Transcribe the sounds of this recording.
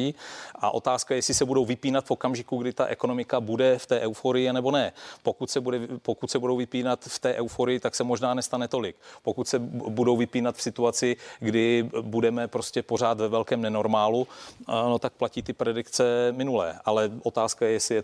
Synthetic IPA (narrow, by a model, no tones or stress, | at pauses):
iːʔa̰ʔo̞t̪aːskajɛsɪsɛbudo̞wvɪpiːnat̪fokamʒɪkuɡdɪt̪a̰ʔɛko̞nomɪkabudɛft̪ɛːʔɛwfoɾɪjɪanɛbo̞nɛpo̞kut̪sɛbudɛpokut̪sɛbudo̞wvɪpiːnat̪ft̪ɛːʔɛwfoɾɪjɪt̪aksɛmo̞ʒnaːnɛst̪anɛt̪o̞lɪkpo̞kut̪sɛbudo̞wvɪpiːnat̪fsɪt̪uat͡sɪɡdɪbudɛmɛpɾo̞scɛpo̞r̝aːt̪vɛvɛlkɛːmnɛno̞ɾmaːluno̞t̪ak̚placiːt̪ɪpɾɛdɪkt͡sɛmɪnulɛ̰ːʔalɛʔo̞t̪aːskajɛjɛsɪjɛ